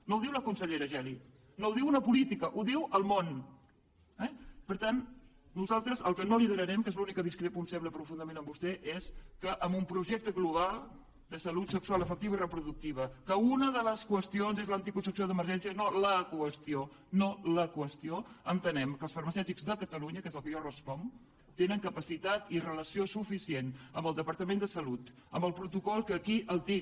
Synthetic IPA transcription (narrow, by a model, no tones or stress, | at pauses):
nowðiwləkunsəʎeɾəʒɛli | nowðiwunəpulit̪ikəʔuðiwʔəlˠmon | ɛpəɾt̪an | nuzalˠt̪ɾəzəlˠkənoliðəɾəɾɛmkezlunikəðiskɾepumsɛmbləpɾufund̪əmẽnəmbust̪ɛʔeskəʔəmbumpɾuʒɛk̚t̪əɣluβ̞alˠ | d̪əsəlut̪səksualˠəfək̚t̪iβəirəpɾuðuk̚t̪iβ̞əkəunəðələskwəst̪ionzezlənt̪̬ikunsəpsioðəməɾʒɛnsiənoləkwəst̪io | noləkwəst̪ioənt̪ənɛmkəlˠsfəɾməsɛwt̪iɡzðəkət̪əluɲəkɛzəlˠkəʒɔrəspɔŋ | t̪enəŋkəpəsit̪at̪irələsiosufisienəmbəlˠd̪əpəɾt̪əmend̪əsəlut̪ | əmbəlˠpɾut̪ukɔlˠkəkiʔəlˠt̪i